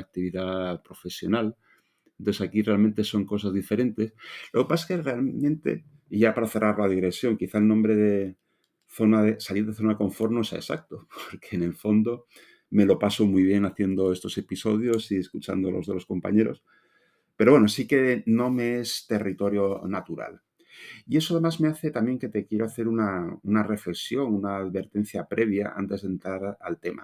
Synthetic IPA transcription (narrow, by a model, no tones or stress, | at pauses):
ak̚t̪iβiðapɾo̞fe̞sjo̞nal | ent̪oθeakirealmẽnt̪e̞so̞ŋko̞s̬azðife̞ɾẽ̞nt̪e̞slo̞ɣepasḁkerealmẽ̞nt̪e̞̰ | iʝapaɾaθe̞rʔaɾlaðiɣɾe̞sjo̞ŋkiθaelnõmbɾe̞ðe̞ | θo̞naðesaliɾðeθo̞nako̞ɱfo̞ɾno̞sea̰esa̰k̚t̪opoɾkʰeːne̞lfo̞nd̪o̞ | me̞lo̞paso̞mujβ̞je̞naθje̞nd̪o̞e̞st̪o̞se̞piso̞ðjo̞sie̞skut͡ʃa̰nd̪olo̞̰zðelosko̞mpa̰ɲe̞ɾo̞̰s | peɾo̞βweno̞sike̞no̞me̞est̪e̞rit̪o̞ɾjo̞nat̪uɾa̰l | ie̞soaðe̞mazme̞aθe̞t̪amje̞ŋke̞t̪e̞kje̞ɾaaθe̞ɾunaunare̞fle̞ksjo̞ŋunaːðβe̞ɾt̪e̞n̟θjapɾʔe̞β̞ja̰ʔa̰nt̪e̞zðent̪ɾaɾalt̪e̞ma̰